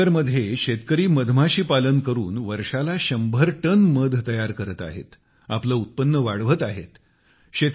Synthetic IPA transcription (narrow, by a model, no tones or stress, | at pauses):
əɾməd̪ʱːjeɕet̪kəɾiːməd̪ʱm̤aɕiːpalənkəɾuːnʋəɾʂalaɕəmbʱəɾʈənməd̪ʱt̪əjaɾkəɾət̪a̰ɦḛt̪ | a̰pləːut̪̚pənːəʋaɽʋət̪aɦet̪ | ɕet̪